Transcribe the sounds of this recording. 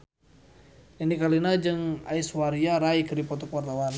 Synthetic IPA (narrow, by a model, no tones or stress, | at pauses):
anikalinad͡ʒɨŋa̰iswaɾiaɾaikɨripɔt̪ɔkuwart̪awan